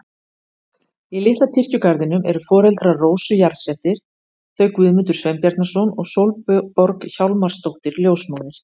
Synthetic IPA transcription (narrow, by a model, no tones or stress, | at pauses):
ilɪht̪at̪ʰɪr̥cʏkaɾðɪnʏmɛɾʏfɔːɾɛlt̪ɾaroːwsʏjaɾsɛht̪ɪɾ̥ | θœɥkvʏðmʏnt̪ʏɾsvɛmpjaɾt̪nasɔnɔɣsowlppɔɾkçawlmar̥st̪owht̪ɪɾljowsmawðɪɾ̥